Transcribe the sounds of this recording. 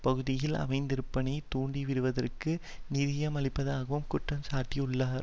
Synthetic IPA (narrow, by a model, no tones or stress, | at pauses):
pɐɣɯðɪjɪlɐ̰mɐɪnd̪ɪɾɯpːɐnɐɪt̪uːɳɖiʋɪɾɯʋɐðɐrkɯnɪðɪjɐmɐɭɪpːɐðaːɣɐʋɯmkʊʈːɐmsaːʈːiʊɭːaːɾ